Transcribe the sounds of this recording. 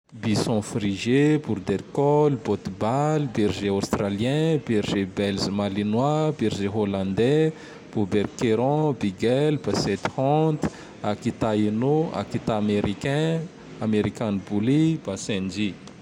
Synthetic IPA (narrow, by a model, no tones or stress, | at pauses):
bisɔ̃friʒebuɾd̪ɛɾkɔlbɔt̪balbiɾʒeast̪ralijɛ̃biɾʒebɛlzmalinwabiɾʒeɦolãnd̪ɛ | b̥ubɛɾkeɾɔ̃biɡɛlbasɛt̪hɔ̃t̪ | akit̪ainoa̰kit̪aːmeɾikɛ̃ | ameɾikanbulib̥asɛ̃nd͡ʒi